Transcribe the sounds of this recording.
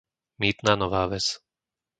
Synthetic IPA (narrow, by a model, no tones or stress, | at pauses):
miːt̪naːnɔʋaːʋɛt͡s